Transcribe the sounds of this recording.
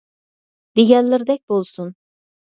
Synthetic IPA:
d̪̥iɡɛlliɾd̪ɛc̚ʲbolˠsun

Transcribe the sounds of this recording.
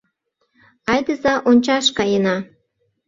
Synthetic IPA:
ɑjd̪əzɑʔonʲt͡ɕɑʃkɑjənɑ

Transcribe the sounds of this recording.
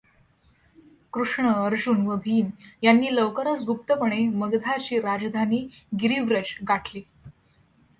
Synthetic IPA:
kɾuʂɳəəɾd͡ʑunʋəbʱiːnjanːiːləʋkəɾat͡sbʱuk̚t̪əpəɳ̃eməɡd̪ʱat͡ɕiːɾad͡ʑd̪ʱaniː | ɡiɾiʋɾəd͡ʑɡaʈliː

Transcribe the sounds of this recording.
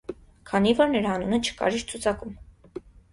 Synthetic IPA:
kʰɑnivɔɾnəɾhɑnunət͡ʃʰə̥kɑ̰ɾiɾt͡sʰut͡sʰɑkum

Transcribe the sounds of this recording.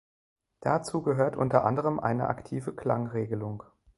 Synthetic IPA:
d̥at͡suːɡəɦøːɐtʔʊntɐʔa̰ndəʁ̞əmʔa̰ɪnə̰ʔa̰ktʰiːvəkl̥a̰ŋʁeːɡəlʊŋ

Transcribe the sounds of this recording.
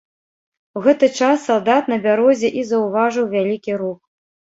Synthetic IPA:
wɣɛt̪ɨt͡ʂasːalˠd̪at̪nɐbʲaɾɔzʲɛʔizɐwvaʐɨwvʲalʲikʲiɾux

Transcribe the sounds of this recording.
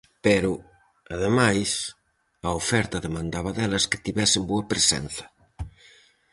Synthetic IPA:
peɾʊ | aðemajs | ɐofɛɾt̪ɐðemãnd̪aβɐðɛlɐske̥t̪iβɛsɪmboɐpɾesɛ̰n̟θɐ̥

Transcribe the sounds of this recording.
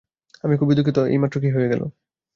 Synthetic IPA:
amikubid̪ukʰːit̪oḛjmatːɾok̬iɦojeɡɛlo̰

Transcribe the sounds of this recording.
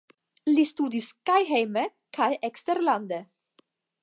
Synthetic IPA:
list̪ud̪iskajɦejme | kajʔekst̪eɾland̪e

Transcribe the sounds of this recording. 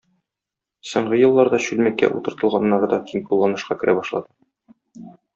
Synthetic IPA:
sŏɴʁɤjɤ̆lˠːɑɾd̪ɑɕʉlmækːæ̰ʔṵt̪ɤ̆ɾt̪ɤ̆lˠʁɑnːɑɾɤd̪ɒt̪ʰiŋpulˠːɑnɤ̆ʃqɑkɘ̆ɾʔæbɒʃlˠɑ̰d̪ɤ

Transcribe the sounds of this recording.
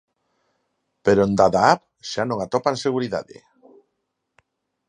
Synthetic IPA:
peɾond̪aðaap | ʃanõŋat̪ɔpanseɣ̞uɾiða̰ðḛ

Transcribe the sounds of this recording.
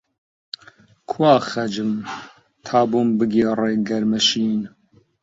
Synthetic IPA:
kʰwaːxɛd͡ʒɨm | t̪ʰaːbuːmbɨɡiːreːɡɛɾmɛʃiːn

